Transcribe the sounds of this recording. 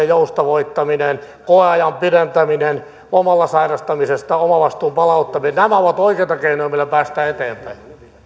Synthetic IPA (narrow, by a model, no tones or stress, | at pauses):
ejoust̪ɑʋoit̪ːɑminen | koeɑjɑmpirent̪æminen | omɑlːɑsɑinɑst̪ɑmisest̪ɑomɑʋɑst̪uːmpɑlɑut̪ːɑminennæmæoʋɑt̪oikeit̪ɑkeinojmilːæpæːst̪æːet̪eːmpæi